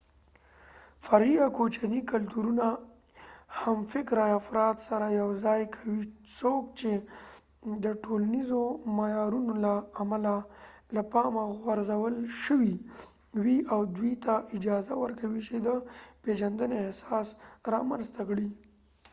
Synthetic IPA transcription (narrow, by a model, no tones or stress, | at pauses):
faɾiakot͡ʃanikalt̪uɾuna | hamfɪkɾaafɾɑt̪saɾajawzɑjkʰawisok̚t͡ʃe | d̪əʈolanizomajɑɾunolaːmalalapɑmaɣwaɾzawəlʃəwi | wiʔawd̪wit̪aʔɪd͡ʒɑzawəɾkawit͡ʃed̪əped͡ʒand̪əneehsɑsɾɑ̰manzt̪akɽi